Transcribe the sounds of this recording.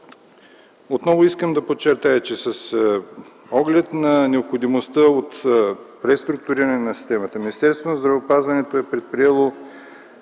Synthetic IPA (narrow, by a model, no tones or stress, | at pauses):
ot̪nɔvoiskəmd̪ɐpot͡ʃːɛɾt̪ajət͡ʃɛsɐs | ɔɡlɛt̪nɐnɛopxod̪imost̪əot̪pɾɛst̪ɾʊk̚t̪ʊɾiɾənɛnɐsi̥st̪ɛmət̪əminist̪ɛɾst̪vonɐzd̪ɾɐvopazvɐnɛt̪oɛpɾɛt̪̚pɾiɛlˠo